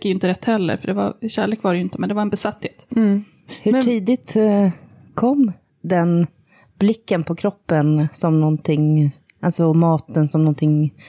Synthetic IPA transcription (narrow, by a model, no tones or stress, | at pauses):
kajʏɪnt̪əɾɛt̪ːhɛlːə̰ɾfœɖɛva̰ɾɕæːɭeːkvaɾɛjʏɪnt̪əmɛnd̪ɛvaɾɛnbɛsat̪ːheːt̪ | hɵʈʰiːd̪ɪt̪ | kʰɔmː | d̪ɛn | blɪkːənpʰɔkʰɾɔpːənsɔmnɔnt̪ʰɪŋ | ʔalsɔmɑːt̪ənsɔmnɔnt̪ʰɪŋ